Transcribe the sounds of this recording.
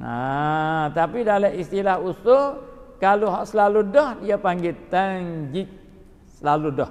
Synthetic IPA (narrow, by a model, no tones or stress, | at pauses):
a | t̪apidaləʔist̪ilahusʊkaluɦɔʔsəlaludɔhdiapaŋɡit̪aŋd͡ʒik̚ | səlaludɔh